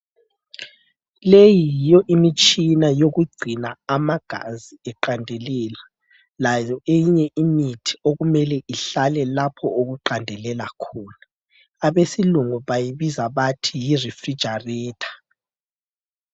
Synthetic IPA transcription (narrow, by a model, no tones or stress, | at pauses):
lejijɔʔimit͡ʃʼinajoɣuɡ͡ǀʱinaamaɡ̥ʱa̰ziɛǃandʱeliːla | lajɔeɲɛʔimitʰi̥oɣumɛlɛʔiɬalɛlapʰɔoɣuǃandʱɛlɛlakʰuːnaː | βesiluŋuβajiβizaβatʰijirifrid̥d͡ʒ̥ʱariːtʰḁ